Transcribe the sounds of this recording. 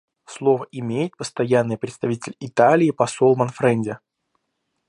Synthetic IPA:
slˠo̞vəʔɪmʲejɪt̪̚pəst̪ɐjanːɨjpɾʲɪt̪st̪ɐvʲitʲɪlʲɪt̪alʲɪːpɐso̞lˠmɐnfɾɛnʲdʲɪ

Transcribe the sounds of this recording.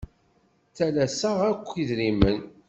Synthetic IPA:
θælæsaʁækʷːiðɾimən

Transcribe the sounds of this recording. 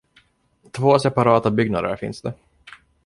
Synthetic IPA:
t̪ʰvoːsɛpaɾɑːt̪abʏɡnad̪ə̰ɾfɪ̰nsd̪ɛ

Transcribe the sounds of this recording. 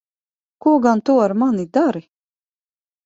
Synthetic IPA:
kuɔɡant̪uɔaɾmanid̪aɾi

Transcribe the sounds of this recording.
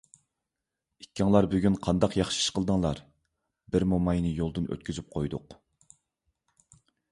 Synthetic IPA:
ikʲːɑŋlˠɑɾbyɡʲynqʰɑnd̪ɑqjɑχʃi̥ʃqəlˠd̪ɨŋlˠɑɾ | bɪɾmomɑjnɨjolˠd̪ɨnø̰t̪̚kʲyzyp̚qʰojd̪ʊq

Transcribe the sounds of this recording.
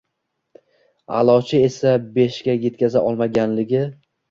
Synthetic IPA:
a̰lˠɒt͡ʃʰɪe̞sabe̞ʃkʲaje̞t̪̚kʲazaʔɒlˠmaɡʲanlɪɡʲɪ

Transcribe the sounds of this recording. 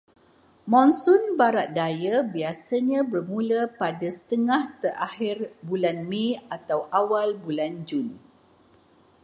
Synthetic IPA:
mɔ̃nsunbaɾat̪̚dajabiasaɲãbərmulapadasə̥t̪əŋaht̪əʔahirbulanmiat̪awʔawalbuland͡ʒun

